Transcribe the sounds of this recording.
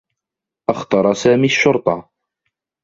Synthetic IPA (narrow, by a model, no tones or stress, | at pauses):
ʔɑxt̪ɑɾˤɑsaːmiːʃːʊɾt̪ˤɑ